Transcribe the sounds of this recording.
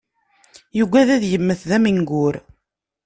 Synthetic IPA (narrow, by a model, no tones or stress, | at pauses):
juɡʷæðæðjəmːəθðæmiŋɡʊɾ